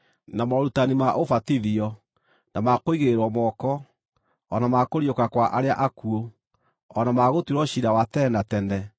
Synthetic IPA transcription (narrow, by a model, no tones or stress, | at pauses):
namɔɾutanimaʔofatiðiɔ | namakoiɣeɾeɾwɔmɔkɔ | ɔnamakoɾjokakwaʔaɾeaʔakuo | ɔnamaɣotiɾɔɕiɾawatɛnatɛndɛ